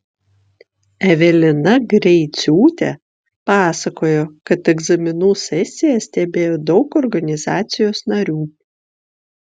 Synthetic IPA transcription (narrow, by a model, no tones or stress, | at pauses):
ɛʋʲɛlʲɪnɐɡɾʲɛɪt̪sʲuːt̪ʲɛ | pɑːsɐkoːjoːkɐt̪ɛɡzɐmʲɪnuːsʲɛsʲɪjɛsʲt̪ʲɛbʲeːjoːd̪ɒʊkɔɾɡɐnʲɪzɑːt̪sʲɪjoːsnɐɾʲuː